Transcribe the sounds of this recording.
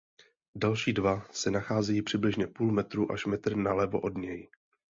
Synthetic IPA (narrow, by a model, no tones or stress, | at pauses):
dalʃiːdvasɛnaxaːzɛjiːpr̝̥ɪblɪʒɲɛpuːlmɛt̪ɾuːʔaʃmɛt̪r̩nalɛvo̞̰ʔo̞dɲɛj